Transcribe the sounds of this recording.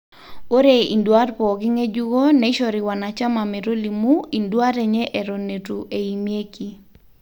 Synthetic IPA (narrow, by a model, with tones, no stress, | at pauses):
o˦ɾe˨ḭ˨ndwa˦ɾpɔ˨ki˦ŋe˦d͡ʒu˦ɣo˦ne˨˦ʃɔ˨ɾi˨wa˨na˨t͡ʃa˦ma˨me˨ɾo˦li˨mu˦i˨ndwa˦ɾe˨ɲɛ˦ʔe˨ɾo˨ne˨tu˨ʔe˨i˨mje˦ki˦